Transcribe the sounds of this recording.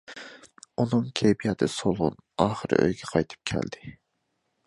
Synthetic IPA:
unɨŋkʲʰebijɛt̪ʰɨsolˠʁʊ̰nɑːχəɾɨ̰ʔø̰jɡʲɛqʰɑjt̪ʰɨ̥p̚kʲʰæ̰ld̪ɪ

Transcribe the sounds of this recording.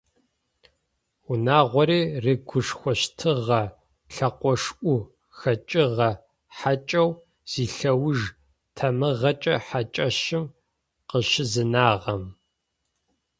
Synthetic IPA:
ʊnaːʁʷɔɾiːreɡʷʊʂxʷɔʃtʰɨʁɐ | ɬɐqʷɔʂʔʷu | xɐt͡ʃʼɪʁɐ | ħat͡ʃʼɐw | z̥iːɬɐwʊʒ | tʰɐmɨʁɐt͡ʃʼɐħat͡ʃʼɐʃɪm | qəʃɪzɨnaːʁɐm

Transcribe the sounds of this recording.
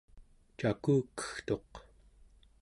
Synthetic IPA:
t͡ʃakuːkːə̥xt̪o̞q

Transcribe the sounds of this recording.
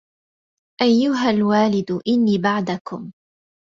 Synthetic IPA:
ʔajːʊɦalwaːlɪd̪ʊʔɪnːiːbaʕd̪akʊm

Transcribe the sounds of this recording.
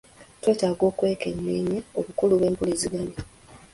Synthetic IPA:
twe̞ːtaːɡo̞ːkwe̞ːkenːeːɲaoβukuluβe̞ːmpuliziɡani

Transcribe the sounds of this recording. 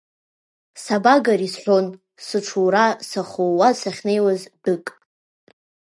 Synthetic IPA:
sabaɡaɾisħʷon | sɨʈ͡ʂʰuwɾasaχowasaχʲnejwazdɨkʼ

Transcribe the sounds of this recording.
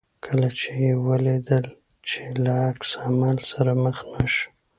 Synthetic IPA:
kʰəlat͡ʃejewəled̪əl | t͡ʃelaaksamɑlsaɾaməxnaʃ

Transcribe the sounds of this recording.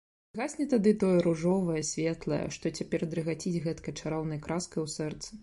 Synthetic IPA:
ɣasʲnʲɛt̪ad̪ɨt̪ɔjɛɾuʐɔvɐjɐsʲvʲɛt̪lˠɐ̰jɛ̰ʂt̪ɔt͡sʲapʲɛrd̪ɾɨɣat͡sʲid͡zʲɣɛt̪kɐjt͡ʂaɾɔwnɐjkɾaskɐjwsɛrt̪sɨ

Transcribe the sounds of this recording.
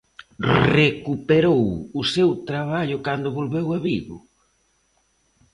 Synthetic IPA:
rekupeɾowʊsewt̪ɾaβ̞aʎʊkand̪ʊβolβewaβiɣʊ̰

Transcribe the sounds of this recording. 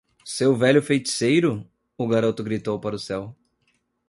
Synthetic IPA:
sewvɛʎʲʊfejt͡ʃi̥sejɾʊ | ʊɡaɾot̪ʊɡɾit̪owpaɾʊsɛw

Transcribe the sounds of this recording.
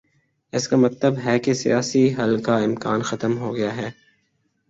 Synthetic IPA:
ɪskamɐt̪ləbɦɛkesḭjaːsiɦɐlkaɪmkaːnxɐt̪əmɦoɡɐjaɦɛː

